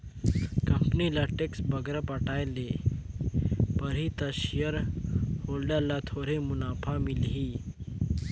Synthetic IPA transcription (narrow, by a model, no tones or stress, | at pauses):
kəmpnilaʈeksbəɡɾəpəʈajle | pəɾɦit̪əɕijəɾholɖalat̪ʰoɾemunafʰamilɦiː